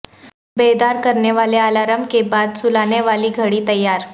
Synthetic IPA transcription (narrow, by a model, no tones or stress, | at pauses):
bed̪aɾkəɾɳjeʋalealaɾəmbkebad̪sulaneʋaliːɡʱəɽiːt̪əjːaɾ